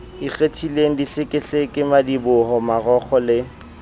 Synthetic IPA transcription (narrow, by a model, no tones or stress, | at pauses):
ik͡xetʰileŋ̩diɬɪkʼɪɬekʼɪmadibʊɦɔmarɔχʰɔlɪ